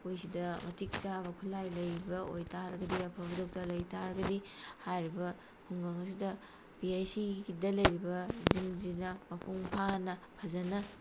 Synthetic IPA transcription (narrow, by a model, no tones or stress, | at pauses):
ojsidɐmɐtʰik̚t͡ʃabɐkʰulajlɐjbɐo̰jtʰaɾɐɡɐdiɐpʰɐbɐdok̚tɐɾlɐjtʰaɾɐɡɐdihajɾibɐ | kʰuŋɡɐŋɐs̬idɐ | piajsiidɐlɐjɾibɐzimzinɐmɐpʰuŋpʰanɐpʰɐzɐnɐ